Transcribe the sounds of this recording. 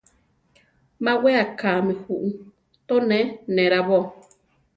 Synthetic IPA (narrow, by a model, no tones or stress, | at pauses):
mãweakamĩhuʔũ | t̪onẽnẽɾaβo